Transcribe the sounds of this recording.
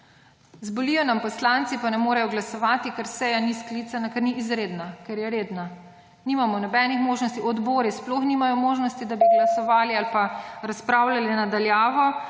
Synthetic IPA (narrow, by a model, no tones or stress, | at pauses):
zbɔlijɔnampɔslant̪sipanɛmoːɾajɔɡlasɔʋaːt̪ikaɾsɛjanisklit̪sanakɛɾniʔːzɾeːd̪nakɛɾjɛɾeːd̪na | nimamɔnɔbɛːnixmoːʒnɔst̪iɔd̪boːɾisploxnimajɔmoːʒnɔst̪id̪abiɡlasɔʋaːlialpaɾaspɾawlʲalinad̪aljaːʋɔ